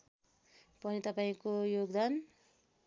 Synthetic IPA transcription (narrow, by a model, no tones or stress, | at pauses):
pʌnit̪ʌpaĩkojoɡd̪an